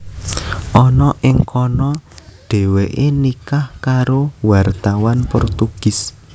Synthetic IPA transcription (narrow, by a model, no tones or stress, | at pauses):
ʔɔnɔʔɪŋkʰɔnɔɖ̥ɛ̤weʔenikahkaɾowart̪awanpɔrt̪uɡ̥ɪ̤s